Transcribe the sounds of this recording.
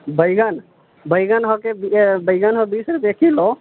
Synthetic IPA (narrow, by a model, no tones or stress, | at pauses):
bəjɡən | bəjɡənɦɔkebibəjɡənɦɔbisɾupekilɔ